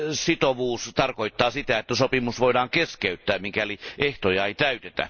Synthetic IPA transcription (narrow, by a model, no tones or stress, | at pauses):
sit̪oʋuːst̪ɑrkoit̪ːɑːsit̪æet̪ːæsopimusʋoˑidɑːŋkeskeyt̪ːæːmikæliʔeht̪ojɑeit̪æyt̪et̪æ̰